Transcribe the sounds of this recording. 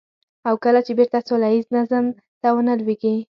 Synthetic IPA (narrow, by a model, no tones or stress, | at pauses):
awkəlat͡ʃebeɾt̪asolajiznazəm | t̪awənəlweɡi